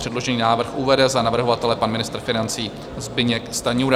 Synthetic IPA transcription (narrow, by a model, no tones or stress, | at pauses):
r̥ɛdlo̞ʒɛniːnaːvr̩xʔuvɛdɛzanavr̩ɦo̞vat̪ɛlɛpanmɪnɪst̪ɾ̩fɪnant͡siː | zbɪɲɛkst̪aɲuːɾ